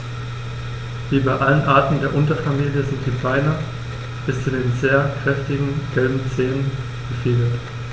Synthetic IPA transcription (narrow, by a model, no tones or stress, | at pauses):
v̥iːbaɪʔalənʔaɐtn̩deːɐʔʊntɐfamiːljəzɪnt̚d̥iːbaɪnɐ | b̥ɪst͡sudeːnzeːɐkʁ̥ɛftɪɡŋ̩ɡ̥ɛlbm̩t͡seːnən | ɡ̥əfiːɡət